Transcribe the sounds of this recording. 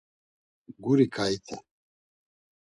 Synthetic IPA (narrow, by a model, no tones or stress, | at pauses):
ɡuɾikʰait̪ʰɛ